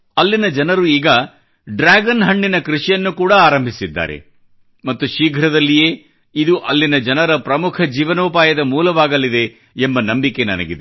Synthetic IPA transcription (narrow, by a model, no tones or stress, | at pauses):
ɐlːinɐd͡ʒɐnɐɾuiːɡɐ | ɖɾaːɡɐnɦɐɳːinɐkɾuʂijɐnːukuːɽɐaːɾɐmbʱisid̪ːa̰ːɾḛ | mɐt̪ːuʃiːɡʱɾɐd̪ɐlːije̞ː | id̪uʔɐlːinɐd͡ʒɐnɐɾɐpɾɐmukʰɐd͡ʒiːʋɐnoːpaːjɐd̪ɐmuːlɐʋaːɡɐlːid̪e̞ː | mbɐnɐmbikenɐ̰nɐ̰ɡid̪e